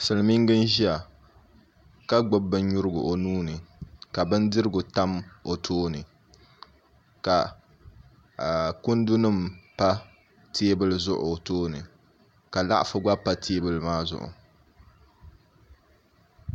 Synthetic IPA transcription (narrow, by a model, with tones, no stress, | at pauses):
sɨ˨lɨ˨mi˦ŋɡɨ˦n˦ʒi˦a˨ | ka˦ɡ͡bʊ˦bːɨ˦n˦ɲʊ˦ɾɨ˦ɡʊ̰˨ʔo˨nuː˦nɨ˨ka˨bɨ˦ndɨ˦ɾɨ˦ɡʊ˨ta˦mo˨tʰoː˦nɨ˨ | ka˨ | kʊ˦ndu˦nɨ˦mpa˦ | tʰe˦bɨ˦lɨ˦zʊ˦ʔʊ̰˨toː˦nɨ˨ | ka˨la̰˦ʔa̰˨fɨ˦ɡ͡ba˦pa˦tʰeː˦bɨ˦lɨ˦maː˦zʊ̰˦˨ʔʊ̰˨